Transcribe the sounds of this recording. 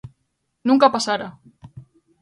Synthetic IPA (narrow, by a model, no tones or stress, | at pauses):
nuŋkapasaɾa